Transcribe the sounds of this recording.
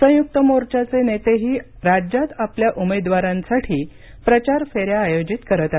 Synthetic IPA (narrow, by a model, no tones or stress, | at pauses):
sə̃juk̚t̪əmoɾt͡ɕat͡senet̪eɦiː | ɾad͡ʑjat̪apljaʔumed̪ʋaɾãnsaʈʰiː | pɾət͡ɕaɾfeɾjaːjod͡ʑit̪kəɾət̪at̪